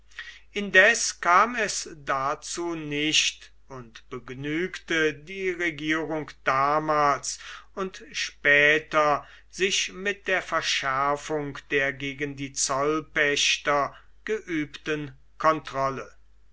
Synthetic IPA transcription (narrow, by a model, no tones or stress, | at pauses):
ʔɪndɛskaːmɛsdat͡suːnɪʃt | ʊntb̥əɡnyːktədiːʁeɡiːʁʊŋkd̥aːmaːlsʊntʃpɛːtɐ | z̥ɪʃmɪt̚d̥eːɐfɛɐʃæɐfʊŋkd̥eːɐɡeːɡəndiːt͡sɔlpɛɕtɐ | ɡ̥əʔyːptən | kʰɔntʁ̥ɔlə